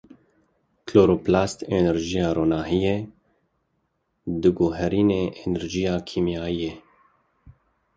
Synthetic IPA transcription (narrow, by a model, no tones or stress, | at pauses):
kʰloːɾoːplaːst̪enɛɾʒijɑːɾoːnaːɦije | d̪ɨɡoːɦɛɾiːneːʔenɛɾʒijɑːkʰiːmijaːijeː